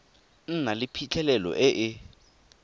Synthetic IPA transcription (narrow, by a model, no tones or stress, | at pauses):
n̩nalipʰit͡ɬʰɛlɛlɔ̰ʔɛʔɪ